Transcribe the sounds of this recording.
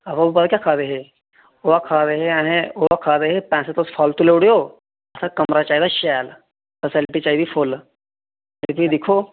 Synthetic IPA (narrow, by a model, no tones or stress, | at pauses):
ɐbɐbupːt̪akjaːkʰaːd̪eɦe | oʋakʰaːd̪eɦeɛ̃ɦẽoʋakʰaːd̪eɦepɛ̃ːset̪osfʰɔːlt̪uleɽijoː | ɐsãkɐmɾat͡ʃaːɦid̪aʃɛːl | fəsɪlʈit͡ʃaːid̪ifʰol | et̪id̪ɪkʰoː